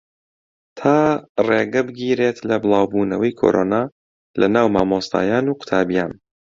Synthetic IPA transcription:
t̪ʰaːreːɡɐbɨɡiːɾeːt̪lɐbɨlˠaːwbuːnɐwɐjkʰo̰ɾʔoːnaː | lʔɐnaːwmaːmoːst̪ʰa̰ːjaːnuːqʊ̥t̪ʰaːbijaːn

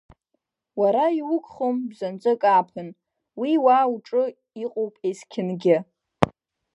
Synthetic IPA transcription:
waɾaiwʊkʷʰʼχombzant͡sʷʼɨkʼaːpʰɨn | wiwaːuʈ͡ʂʼɨ | iqʼowpʼejskʲʰɪnɡʲɪ

